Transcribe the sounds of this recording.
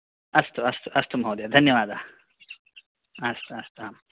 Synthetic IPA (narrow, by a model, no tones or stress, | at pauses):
ɐst̪uɐst̪uʔɐst̪ʰumɦoːd̪jad̪ʱɐnjɐʋaːd̪aː | ɐst̪uɐst̪uaːm